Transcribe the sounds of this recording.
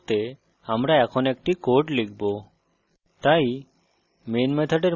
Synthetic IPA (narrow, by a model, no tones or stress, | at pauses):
t̪e | amɾaɛkʰɔnek̚ʈikoɾʈlikʰbo | t̪aj | menmet̪ʰaɖeɾ